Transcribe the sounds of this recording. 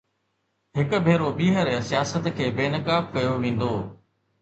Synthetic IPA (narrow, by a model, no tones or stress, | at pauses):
ɦɪkʊ̆bʱeːɾobiːɦəɾsijaːsət̪kʰeːbeːnəkaːfkɐjoʋẽːn̆d̪oː